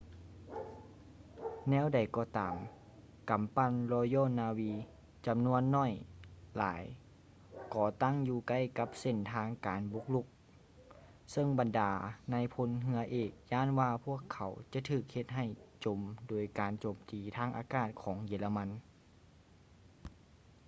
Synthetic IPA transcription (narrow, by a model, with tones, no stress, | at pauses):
nɛː˧˥˨wda˨˩jkɔː˧˩t̪aː˨m | ka˨mpa˧˥˨nlɔː˧jɔː˧˥˨naː˧wiː˧ | t͡ɕa˨mnu˧˥˨ənːɔ˧˥˩jla̰ː˨˦j | kɔː˧˩t̪a˥˨ŋjuː˧ka˧˥˨jka˧˦˥p̚se˧˩˨nt̪ʰaː˧˥ŋkaː˨nbu˧˥k̚lu˧˦k̚ | sɤ˧˥˨ŋba˨ndaː˨˦na˧˥jpʰo˧˥nɦɯ˧˥ɐʔeː˧˩k̚jaː˧˥˨nwaː˧pʰu˧˥˩əkʰːa˨˦wt͡ɕa˧˦t̪ʰɯː˧˩k̚he˧t̪̚ɦa˨˩jt͡ɕo˨˩mdoː˨˩jkaː˨nt͡ɕoː˨˩mt̪iː˨˩t̪ʰaː˧˥˨ŋʔaː˧˦kaː˧˩t̪̚kʰɔː˨˦ŋjeː˨˦la˧ma˧˥n